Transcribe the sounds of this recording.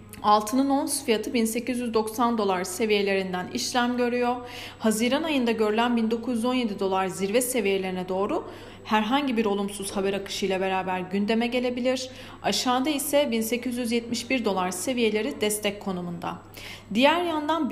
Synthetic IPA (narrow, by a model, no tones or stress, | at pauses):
alˠt̪ʰɯnɯno̞nsfijat̪ʰɯbinse̞cizjyzd̪o̞ksand̪o̞lˠaɾse̞vije̞lʲe̞ɾind̪ænḭʃlʲæmɟø̞ɾyjo̞ | haziːɾanajɯnd̪aɟø̞ɾylʲænbind̪o̞kʰuzyzo̞nje̞d̪id̪o̞lˠaɾziɾvɛse̞vije̞lʲeɾinɛd̪o̞ːɾu | hæɾɦaɲɟibiɾo̞lˠumsuz̥habɛɾakɯ̥ʃɯjlˠabe̞ɾaːbæɾɟynd̪e̞mɛɟe̞lʲe̞bilʲiɾ̥ | aʃaːd̪aisɛbinse̞cʰyzjyzjɛt̪̚miʃbiɾd̪o̞lˠaɾse̞vije̞lʲe̞ɾid̪ɛst̪ʰɛc̚kʰːo̞numund̪a̰ | d̪ijæɾjand̪an